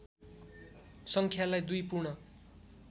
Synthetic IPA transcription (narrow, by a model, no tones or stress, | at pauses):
sʌŋkʰjalajd̪ujpurɳʌ